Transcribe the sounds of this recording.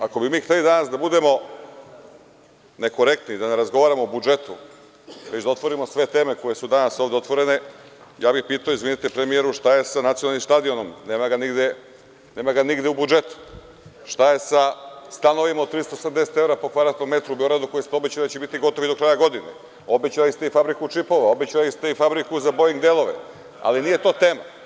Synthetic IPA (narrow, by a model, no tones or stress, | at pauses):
ako̞bimiːxt̪e̞lid̪anasd̪abud̪e̞mo̞ | ne̞ko̞ɾe̞k̚t̪nid̪ane̞ɾazɡo̞ʋaːɾamo̞bud͡ʒe̞t̪u | ʋet͡ɕd̪ao̞t̪ʋo̞ɾimo̞sʋe̞t̪e̞ːme̞ko̞je̞sud̪anaso̞ːʋd̪eo̞t̪ʋo̞ɾe̞ne̞ | jaːbixpiːt̪aoizʋinit̪epɾemije̞ɾuʃt̪aje̞sanat̪sionalnimʃt̪ad̪io̞no̞mne̞ːmaɡaniɡd̪e | ne̞ːmaɡaniɡd̪eubud͡ʒe̞t̪u̥ | ʃt̪aje̞sast̪ano̞ʋimaot̪ɾiːsoosamd̪eset̪e̞vɾapo̞kʋaɾat̪ome̞t̪ɾubio̞ɡɾad̪uko̞jest̪eobet͡ɕalid̪at͡ɕebit̪iɡo̞t̪oʋid̪o̞kɾaːjaɡo̞d̪inḛ | o̞bet͡ɕalist̪eifabɾikut͡ʂipo̞ʋao̞bet͡ɕalist̪e̞ifabɾikuzabojiŋɡd̪elˠo̞ʋḛ | a̰linije̞t̪o̞ːt̪e̞ːma